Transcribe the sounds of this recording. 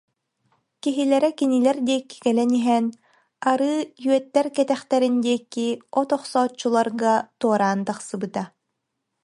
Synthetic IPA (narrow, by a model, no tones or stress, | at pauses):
kiɦilɛɾɛkinilɛɾd̪iɛkːi̥kɛlɛniɦɛn | aɾɯːjyœt̪ːɛɾkɛt̪ɛχt̪ɛɾind̪iɛkːiɔt̪ɔχsɔːt͡ɕːulˠaɾɡat̪uɔɾaːnt̪aχsɯbɯt̪a